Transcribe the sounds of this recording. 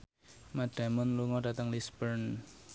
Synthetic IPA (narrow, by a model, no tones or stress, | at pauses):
maɖ̥a̤mʊnluŋɔɖ̥a̤t̪əŋlisbərn